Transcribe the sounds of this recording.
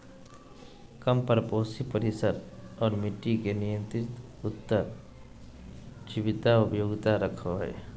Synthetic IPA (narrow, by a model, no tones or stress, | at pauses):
kəmpəɾpoːsipəɾɪsəɾɔːɾmɪʈːikenijə̃nt̪ɾɪt̪ | ʊt̪ːəɾ | d͡ʒɪʋɪt̪aʊpjoːɡt̪aɾəkʰoɦɛ̰ː